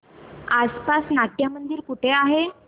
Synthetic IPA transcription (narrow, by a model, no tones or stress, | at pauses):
aspasnaʈjəmənd̪iːɾkuʈʰeaɦe